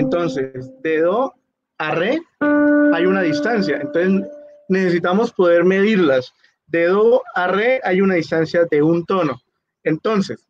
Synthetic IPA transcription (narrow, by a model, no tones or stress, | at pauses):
ent̪o̞ns̬e̞sd̪e̞ðo | are | ajunaðist̪ansjaent̪onse | ne̞se̞sit̪amo̞spo̞ðe̞ɾme̞ðiɾlas | d̪e̞ðoare̞ajunaðist̪ansjaðe̞unt̪o̞no̞ | e̞nt̪o̞nses